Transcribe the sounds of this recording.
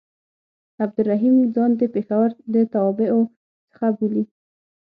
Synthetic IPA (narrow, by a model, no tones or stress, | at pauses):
ab̚d̪ʊɾːaɦimzɑnd̪əpexawəɾd̪ət̪awɑbɪʔo | t͡sə̥xabuli